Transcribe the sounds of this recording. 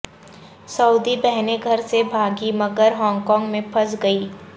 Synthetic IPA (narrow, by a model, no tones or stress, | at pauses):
sɐʊd̪ibɛɦneɡʱɐɾsebʱaːɡimɐɡəɾɦɔ̃ːŋɡkɔ̃ːŋɡmẽpʰɐsɡɐiː